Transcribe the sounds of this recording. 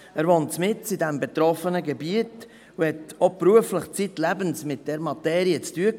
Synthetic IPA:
æːɾʋoːntt͡smɪt͡sidɛmbet̪ɾɔfənəɡɛbiət | uhɛtɔpɾuəfləχt͡sitlæbənsmɪt̚d̥ɛɾmɑt̪ɛːɾiət͡styə

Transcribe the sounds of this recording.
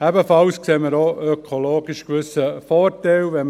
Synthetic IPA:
æbəfɑlskseːməɾoœkʰoloːɡɪʃkʋʏsəfɔːɾtɛlʋɛ

